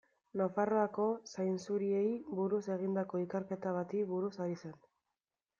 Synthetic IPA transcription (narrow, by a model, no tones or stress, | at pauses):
nafaro̞ako̞sajnsuɾie̞jβuɾuse̞ɣind̪ako̞ikeɾke̞t̪aβat̪iβuɾusaɾise̞n